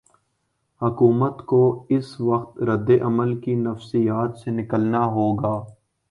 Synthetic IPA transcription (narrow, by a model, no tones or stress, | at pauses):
hʊkuːmət̪koɪsʋɐxt̪ɾɐd̪ːeʔɐməlkinɐfsijaːt̪senɪkəlnaɦoːɡaː